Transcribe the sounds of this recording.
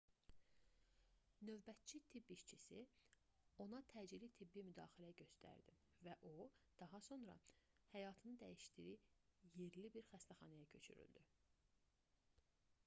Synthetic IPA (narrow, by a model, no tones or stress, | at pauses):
nø̞vbæt̪̚t͡ʃʰit̪ʰibiʃt͡ʃʰisi | o̞nɑt̪ʰæːd͡ʒilit̪ʰibːimyd̪ɑːxilæjɟø̞st̪ʰæ̰ɾd̪̥ḭ | væʔod̪̥ɑɦɑso̞nɾɑ̰ | hæjɑːt̪ʰɯnɯd̪æjiʃtd̪iɾije̞ɾlibiɾxæst̪æxɑnɑjɑcʰø̞̰t͡ʃʰy̰ɾy̰ld̪y